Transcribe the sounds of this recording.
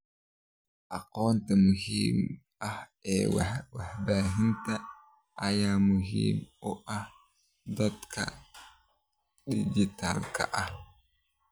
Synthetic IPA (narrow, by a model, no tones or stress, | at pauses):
ʔɑqɔːnt̪ɐmʊɦiːm | ɐhɛːwwɐħbaːɦɪnt̪ɐ | ʔɐjaːmʊɦḭːmʊʔɐh | d̪ɐd̪kʰɐ̰ | did͡ʒit̪ʰa̰lkʰɐ̰ʔɐh